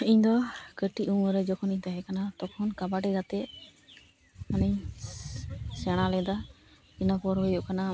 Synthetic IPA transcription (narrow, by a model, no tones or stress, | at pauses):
iɲd̪ɔkəʈiʔuŋəɾɛd͡ʒɔkʰɔniɲt̪aɦɛkanat̪ɔkʰɔnkabaʈɛɡat̪ɛʔ | manɛɲ | sɛɽ̃alɛd̪a | inapɔɾɦɔjɔʔkana